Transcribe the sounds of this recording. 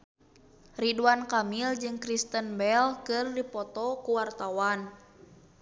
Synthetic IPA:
riduankamild͡ʒɨŋkɾist̪ənbɛlkɨrdipɔt̪ɔkuwart̪awan

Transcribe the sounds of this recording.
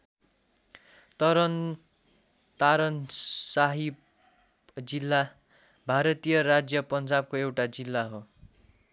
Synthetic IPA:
t̪ʌɾʌn | t̪aɾʌnsaɦib | d͡zilːa | bʱaɾʌt̪ijʌrad͡zjʌpʌnd͡zab̚koewʈad͡zilːaɦo

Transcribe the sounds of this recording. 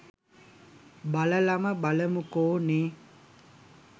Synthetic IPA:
baləlaməbaləmukoːneː

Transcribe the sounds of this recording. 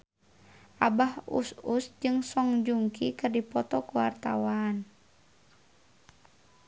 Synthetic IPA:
ʔabahṵsusd͡ʒɨŋsɔŋd͡ʒuŋkʰikɨrdipɔt̪ɔkuwart̪a̰wan

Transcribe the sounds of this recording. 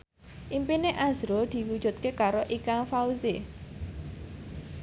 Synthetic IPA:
ʔimpineʔazɾod̪̥i̤wud̥ʒ̥ṳt̪̚kekaɾoʔikaŋfauze

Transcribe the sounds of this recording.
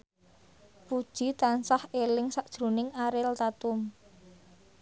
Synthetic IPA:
pud̥ʒ̥i̤t̪ansahelɪŋsaʔd̥ʒ̥ɾṳnɪŋaɾɪlt̪at̪ʊm

